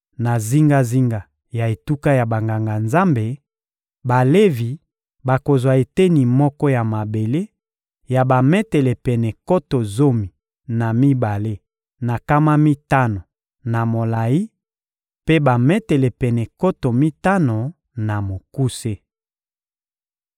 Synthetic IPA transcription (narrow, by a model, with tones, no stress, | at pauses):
na˨zi˦ŋɡa˦zi˦ŋɡa˨ | ja˨e˨tu˦ka˦ja˨ba˨ŋɡa˨ŋɡa˨nza˦mbe˨ | ba˨le˦vi˨ | ba˨ko˨zwa˨e˨te˦ni˨mɔ˦kɔ˦ja˨ma˨be˨le˦ | ja˨ba˨mɛ˦tɛ˨lɛ˨pɛ˨nɛ˨ko˦to˨zo˦mi˨ | na˨mi˦ba˨le˦ | na˨ka˦ma˦mi˦ta˦no˨ | na˨mo˨la˨ji˦ | pe˦ba˨mɛ˦tɛ˨lɛ˨pɛ˨nɛ˨ko˦to˨mi˦ta˦no˨ | na˨mo˨ku˦se˦